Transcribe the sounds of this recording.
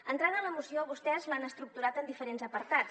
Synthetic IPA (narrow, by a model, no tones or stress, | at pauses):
ənt̪ɾaðələmusioβust̪ɛzmanəst̪ɾuk̚t̪uɾat̪ənd̪ifəɾenzəpəɾt̪at͡s